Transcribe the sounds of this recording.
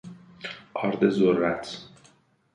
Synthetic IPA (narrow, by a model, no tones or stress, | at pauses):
ʔɒɾd̪ezoɾːæt̪ʰ